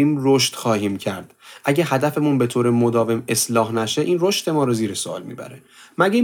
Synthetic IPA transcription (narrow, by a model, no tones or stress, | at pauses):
iːmroʃt̪xɒːhiːmcʰæɾd̪̥ʔæɟeɦæd̪æfe̞munbe̞t̪ʰoːɾe̞mod̪ɒːve̞me̞slɒːɦnæʃeʔiːnroʃt̪e̞mɒːɾɒziːɾesoɒ̰ːlmḭːbæ̰ɾe | mæɟe